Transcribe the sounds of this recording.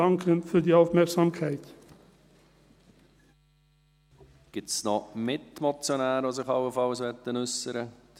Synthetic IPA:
ɑŋkʰənfyːɐdiːɑʊfmæɐksɑmkʰæɪt̪ | ɡ̥ɪtsnomɪtmɔt͡sjonæːɾos̬ɪχɑʊəfɑlsʋɛt̪ːənʏsəɾə̥

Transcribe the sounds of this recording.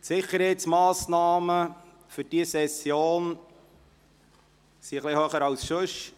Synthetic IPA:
tsɪχəɾhɛɪt̪smɑːsnɑːmə | fʏd̥iəsɛsjoːn | siəχlihøːχəɾɑwsʃɵʃ

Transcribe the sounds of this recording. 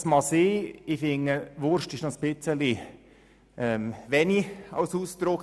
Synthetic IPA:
smɑseːifɪŋːəʋʊɾʃtɪʃnɔsb̥ɪt͡səli | ɛmʋɛniɑ̰lsuːst̪ɾʊk

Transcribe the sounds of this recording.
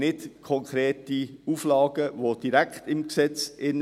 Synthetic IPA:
nɪtkʰɔŋkʰɾeːtiuːflɑːɡ̥əʋod̥iɾæktɪmksɛt͡sʔɪn

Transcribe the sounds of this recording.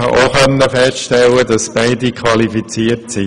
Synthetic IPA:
ɑ̰ʔoχœnːəfɛstʃtɛlːədɑsb̥aɪdikʰʋɑlifit͡siːərtsi

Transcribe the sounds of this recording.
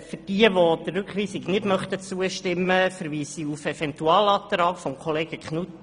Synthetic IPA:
fʏrd̥iːəʋod̥̪ərɾʉkχʋiːsɪɡnɪtmœχtət͡suəʃtɪmːəfəɾʋiːsiufɛvɛntuɑːlɑːt̪ɾɑːkfɔmkʰɔleːɡəkχnut

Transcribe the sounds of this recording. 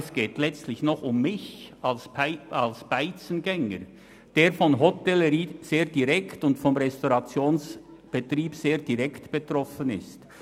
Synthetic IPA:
sɡ̥eːtlɛt͡stlɪçnɔχʊmːɪçɑlsɪalsb̥aɪt͡sənɡɛŋə̰ɾ | d̥eːɾfɔnɦɔtɛləɾiːz̥eːɐdiʁɛktʊntfɔmʁɛstoʁɑt͡sjoːns | b̥etriːbseːʁd̥iʁɛktb̥etrɔfənɪ̰st

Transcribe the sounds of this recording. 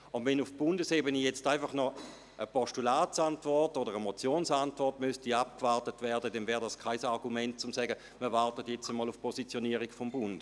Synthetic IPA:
ʊnʋɛnʊfb̥ʊndəsebənijɛt͡staɪfɑχnɔ | ʔəpɔʃtulaːtsantvɔʁtodəʁəmot͡sjoːnsantvɔʁtmystiap̚kvaʁtətvɛɐdədɛnvɛːʁdaskʰaɪsaʁɡumɛnt̚t͡sʊmsɛɡə | miɐvaʁtətjɛt͡stəmɔːlʊfpʰɔsit͡sjoniːəʁiɡfɔmbʊnd̥

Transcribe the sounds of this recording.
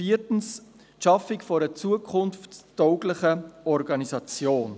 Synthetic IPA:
iːɾtn̩s | ʃɑfɪkfɔɾət͡suːəkʰʊnfttɔʊɡlɪχəɔɾɡɑnizɑt͡sjoːn

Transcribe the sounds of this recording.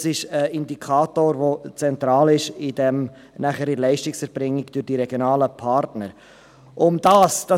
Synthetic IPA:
sɪʃəɪndikʰɑːtoːɾvot͡sɛnt̪ɾɑːlɪʃɪd̥ɛm | næχəɾilɛɪʃtɪksɛɾb̥ɾɪŋːɪɡ̥d̥øɾd̥iɾɛɡ̥jonɑːləpʰɑːɾtnəɾ | ʔʊmd̥ɑːsd̥ɑ

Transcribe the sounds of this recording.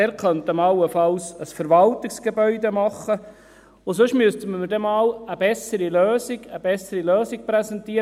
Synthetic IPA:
ɛːɾkœntəmɑlːəfɑlsəsfəɾʋɑlt̪ɪksɡ̥ebœʏd̪emɑχːə | ʊsʊʃmyst̪əmməɾdɛmɑːləbɛsəɾiløːsiɡ̥əb̥ɛsːəɾiløːsɪk̚pɾɛsɛntiːəɾ

